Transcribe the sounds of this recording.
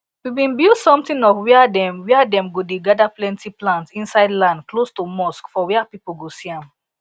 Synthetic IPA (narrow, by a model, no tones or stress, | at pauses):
wibĩnbilsɔ̃mtĩnɔvwiadɛ̃mwiadɛ̃mɡodeɡadaplɛ̃ntiplãntsĩnsaɪdlãndklostumɔskfɔwɛapipolɡosiãm